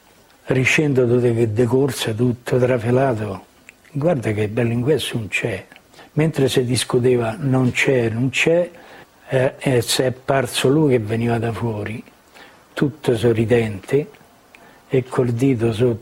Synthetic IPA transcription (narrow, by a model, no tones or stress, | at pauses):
riʃɛnd̪ot̪ut̪eked̪ːekorsat̪̬ut̪ʰːʊt̪ɾafelaːt̪ʊ | ɡward̪ak̟ɪbːɛlːiŋkwɛsuunt͡ʃɛ | ment̪ɾɪsɪd̪iskut̪eːvanont͡ʃɛnunt͡ʃɛ | ɛsɛapːart̪soluk̟evːeniːvad̪afwɔːɾi | t̪ut̪ːʊsɔrid̪ɛnt̪ɪ | ɪkʰːold̪iːt̪̬ʊs̬ɔ